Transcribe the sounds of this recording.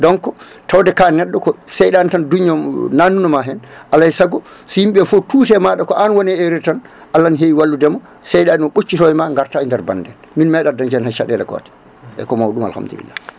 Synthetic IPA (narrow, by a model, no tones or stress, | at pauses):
dɔŋkɔ | tawdɛkanɛɗːɔkɔsɛjɗantanduɲːɔnanːunɔmaɦɛnʔalːajsaɡɔ | sɔjimɓɛfɔtuːtɛmaɗakɔʔanwɔnɛeɾitan | ʔalːanɦeiwalːudɛmɔ | sɛjɗaɗinɔɓot͡ʃːitɔɛmaŋɡaɾtaindɛɾba̰ndɛn | minmɛɗadaɲd͡ʒɛnhajʃaɗɛlɛ̰kɔ̰tɛ̥ | ɛ̰kɔmawɗuma̰lha̰md̪ṵlḭlːa̰